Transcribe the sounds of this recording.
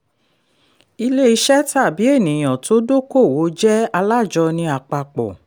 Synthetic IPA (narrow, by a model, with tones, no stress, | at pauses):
i˧le˦i˧ʃɛ˦ta˦˨bi˨˦e˦˨nĩ˨j̃ã˨to˨˦do˦ko˦˨wo˨˦d͡ʒɛ˦a˧la˦˨d͡ʒɔ˧nĩ˧˦a˧˨k͡pa˧k͡pɔ̰˨